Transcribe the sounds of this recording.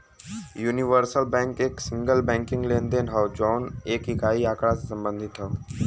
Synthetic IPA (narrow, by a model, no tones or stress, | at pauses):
juːniʋəɾsəlbɛ̃ːŋkeːksɪ̃ŋɡəlbɛ̃ːŋkɪ̃ŋɡlẽːnd̪eːnɦɔʋd͡ʒɔːneːkɦɪkaːiaːkɽasesɐ̃mbə̃nd̪ʱɪt̪ɦə